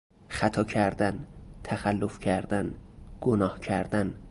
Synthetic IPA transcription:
xæt̪ʰɒːcʰæɾd̪ænt̪ʰæxælːofcʰæɾd̪ænɡ̥onɒːhcʰæɾd̪æn

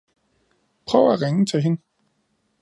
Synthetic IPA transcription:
pʰʁœ̰ʊæʁeŋət͡sʰeɦe̝n

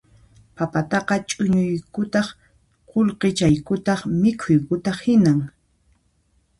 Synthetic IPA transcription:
papat̪ɑqɑt͡ʃʼʊɲʊjkʊt̪ɑχ | qolqet͡ʃajkʊt̪ɑχmɪkʰʊjkʊt̪ɑχhɪnaŋ

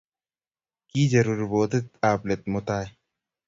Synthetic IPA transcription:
kiːd͡ʒɐɾuːɾboːt̪et̪aːplet̪̚mʊt̪aː

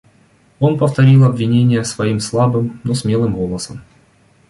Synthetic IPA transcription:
o̞npəft̪ɐɾʲilˠɐbvʲɪnʲenʲɪjəsvɐimslˠabɨmnosmʲe̞lˠɨmvo̞lˠəsəm

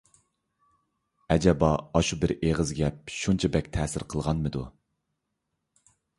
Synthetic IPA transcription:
ɛd͡ʒɛbɑɑʃubɪɾeʁəzɡʲɛp̚ʃunt͡ʃʰɛbɛkʲt̪ʰɛsɪɾqʰəlˠʁɑnmɨd̪u

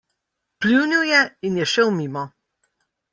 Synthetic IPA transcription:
pliwniwjɛinjɛʃɛwmiːmɔ

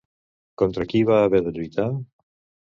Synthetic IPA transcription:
kont̪ɾakiβaːβeɾðeʎujt̪aŋ

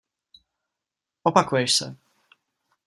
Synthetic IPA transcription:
ɔpakujɛʃsɛ̰

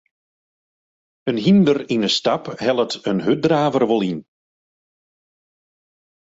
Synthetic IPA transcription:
ənɦindərinəstaphɛlˠətənɦøt̚draːvərʋɔlˠin

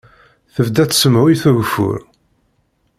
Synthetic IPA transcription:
θəvd̪æt͡sːsəmʕʊjθuʝfʊ̰ɾ

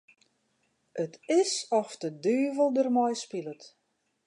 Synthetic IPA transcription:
ʔətɪsɔfdədyːvəlˠdərmɔjspilət

